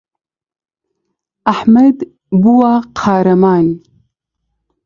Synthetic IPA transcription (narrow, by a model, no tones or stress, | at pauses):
aħmad̪ | buwaqʰaːɾamaːn